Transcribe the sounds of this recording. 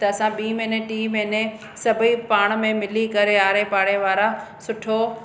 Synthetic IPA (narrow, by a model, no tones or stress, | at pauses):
t̪ɐɐsãɓiːmeneʈiːmeɪne | sɐbʱipaːɽ̃̆mẽmɪlikɐɾeaːɾepaːɽeʋaːɾasʊʈʰo